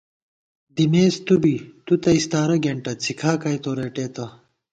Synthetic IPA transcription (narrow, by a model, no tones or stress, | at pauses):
d̪imeːst̪ubit̪ut̪ɐist̪aːɾɐɡeɳʈɐt͡sʰikʰaːkaːjt̪oːɾeːʈeːt̪ɐ